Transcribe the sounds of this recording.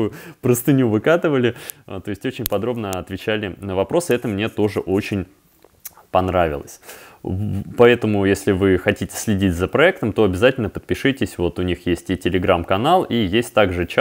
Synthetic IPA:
uʊpɾəst̪ɨnʲuvɨkat̪ɨvəlʲɪt̪oɪsʲtʲo̞t͡ɕɪnʲpɐd̪ɾo̞bnəɐt̪vʲɪt͡ɕælʲɪnəvɐpɾo̞sɨɛt̪əmnʲe̞t̪o̞ʐɨʔo̞t͡ɕɪnʲ | pɐnɾavʲɪ̰lˠə̰sʲ | pɐɛt̪əmʊjesʲlʲɪvɨxɐtʲitʲɪ̥sʲlʲɪdʲitʲzəpɾɐɛkt̪əmt̪o̞ɐbʲɪzatʲɪlʲnəpət̪̚pʲɪʂɨtʲɪsʲvo̞t̪ʊnʲixjesʲtʲitʲɪlʲɪɡɾamkɐnalˠijesʲtʲt̪aɡʐɨt͡ɕ

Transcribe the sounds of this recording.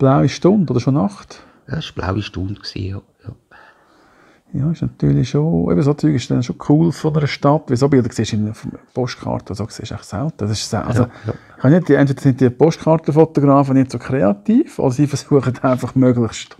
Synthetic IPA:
b̥laʊiʃtʊndod̥əɾʃonɑχt | jɑɪʃb̥la̰ʊwiʃtʊndksḭːjo | jɑ | jɑːɪʃnɑt̪y̰ːɾliʃoʔɛ̰bəs̬ot͡syːɡɪʃd̥ɛnʃokʰχuːlfɔnəɾəʃtɑtːʋɪlsobɪldəkseːʃɪnəfompɔʃtkʰɑ̰ɾtəodsokseːʃa̰ɪχsɛ̰ltəsɪʃsɛ̰ʔɑ̰so | ɪχhɑnɪtd̥iɛntveːd̥ɾsɪnt̚d̥iəpɔʃtkɑɾtəfot̪oɡ̥ɾɑːfənɪtsokʰɾeɑt̪iːfo̰dəɾsiːfəɾsuəχətʰaɪnfɑχmøɡlɪχʃt

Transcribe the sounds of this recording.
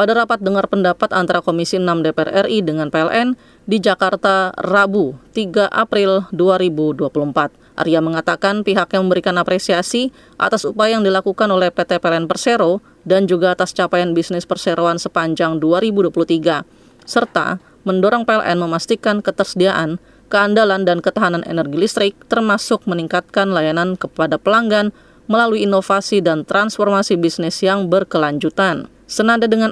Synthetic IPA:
padaɾapat̪̚dəŋarpəndapat̪ant̪aɾakomisinamdepeɛ̰rʔɛridəŋanpeɛlʔɛn | did͡ʒakart̪arabut̪iɡaʔapɾɪlduaɾibuduapuluəmpat̪̚ʔa̰ɾiaməŋat̪akanpiɦakɲaməmbəɾikanapɾesiasi | ʔa̰t̪asupajajaŋdilakukanolɛhpet̪epeɛlɛnpərseɾo | dand͡ʒuɡaːt̪ast͡ʃapajanbisnɪspərseɾoansəpaɲd͡ʒaŋduaɾibuduapuluht̪iɡa | sərt̪a̰ | məndoɾɔŋpeɛlʔɛ̰nməmast̪ikankət̪ərsədiaʔan | kəandalandankət̪aɦananʔḛnərɡilist̪ɾɪk̚t̪ərmasʊk̚məniŋkat̪̚kanlajanankəpadapəlaŋɡan | məlaluiːnofasidant̪ɾansfɔrmasibisnɪsjaŋbərkəlaɲd͡ʒut̪an | sənandadəŋan

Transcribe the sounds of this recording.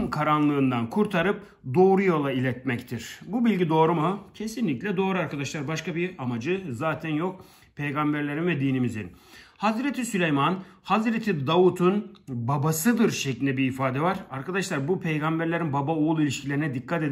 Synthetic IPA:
mkʰaɾanlˠɯːnd̪ankʰuɾt̪ʰaɾɯp̚ | d̪o̞ːɾujo̞lˠailʲɛt̪mɛct̪ʰiɾ̥bubilʲɟid̪o̞ːɾumucʰe̞sinlʲiclʲɛd̪o̞ːɾuaɾkad̪aʃlˠaɾbaʃkabiamad͡ʒɯzaːt̪ʰænjok̚ | pʰejɡambæɾlʲe̞ɾinvɛd̪iːnimizḭnhazɾet̪ʰisylʲejmanhazɾet̪ʰid̪aut̪ʰunbabasɯd̪ɯɾʃeclʲind̪ɛbiːfaːd̪ɛvaɾaɾkad̪aʃlˠaɾbupʰe̞jɡambæɾlʲe̞ɾinbabaoulˠilʲiʃcʰilʲe̞ɾinɛd̪ikʰːat̪e

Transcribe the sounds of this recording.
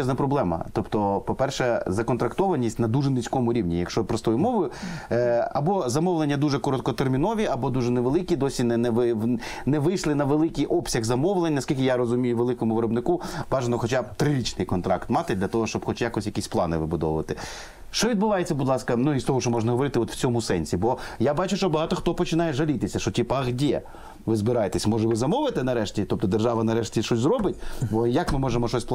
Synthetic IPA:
ɛznɐpɾɔblˠɛmɐ̰t̪ɔpt̪ɔpɔpɛrʃɛzɐkɔnt̪ɾɐkt̪ɔʋɐnʲisʲtʲnɐd̪uʒɛnɪt͡sʲkɔmʊɾʲiwnʲijɐkʃt͡ʃɔpɾɔst̪ɔjʊmɔʋʊjʊ | ɐ̰bɔzɐmɔwlˠenʲːɐd̪uʒɛkɔɾɔt̪kɔt̪ermʲinɔʋʲiɐbɔd̪uʒɛneʋelˠɪkʲid̪ɔsʲinɛnɛʋɪnɛʋɪjʃlˠɪnɐʋelˠɪkijʔɔpsʲɐɣzɐmɔʋlˠenʲnɐskʲilʲkʲɪjaɾɔzʊmʲijʊʋelˠɪkɔmʊʋɪɾɔbnɪkubɑʒenɔxɔt͡ʃabt̪ɾɪɾʲit͡ʃnɪjkɔnt̪ɾɑkt̪mɑt̪ɪd̪lʲɐt̪ɔɦɔʃt͡ʃɔbxɔt͡ʃjakɔsʲjɐkisʲplˠɑnɪʋɪbʊd̪ɔ̰ʋʊʋɐt̪ɪ | ʃt͡ʃɔʋʲid̪bʊʋɑjet͡sʲːɐbud̪lˠɑskɐnuist̪ɔɦɔʃt͡ʃɔmɔʒnɐɦɔʋɔɾɪt̪ɪɔt̪w̥t͡sʲɔmʊsɛnʲsʲibɔjabɑt͡ʃʊʃt͡ʃɔbɐɦɑt̪ɔxt̪ɔpɔt͡ʃɪnɑjɛʒɐlʲit̪ɪsʲɐʃɔtʲipɐɣdʲɛ | ʋɪzbɪɾɑjet̪esʲmɔʒɛʋɪzɐmɔʋlɪt̪ɛnɐɾɛʃtʲit̪ɔp̚t̪ɔd̪erʒɑʋɐnɐɾɛʃtʲiʃɔsʲzɾɔbɪtʲbɔjakmɪmɔʒemɔʃɔsʲp

